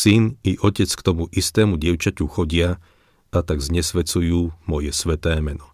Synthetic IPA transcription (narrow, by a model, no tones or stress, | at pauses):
siniʔɔcɛt͡skt̪ɔmuʔist̪ɛːmuɟɪɛʊt͡ʃacuxɔɟɪa | at̪aɡzɲɛsʋɛt͡sujuːmɔjɛsʋɛt̪ɛːmɛnɔ